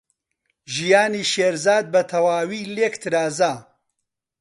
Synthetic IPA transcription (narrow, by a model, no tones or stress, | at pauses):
ʒijaːniːʃeːɾzaːd̪̚bɐt̪ʰɐwaːwiːlekt̪ʰɨɾaːzaː